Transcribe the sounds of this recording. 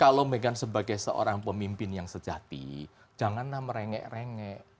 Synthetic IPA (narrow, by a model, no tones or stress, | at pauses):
kalomeŋkansəbaɡajsəo̰ɾaŋpəmimpɪnjaŋsəd͡ʒ̥at̪ḭ̥ | d͡ʒ̥aŋanlahməɾeŋɛ̰ʔreŋɛʔ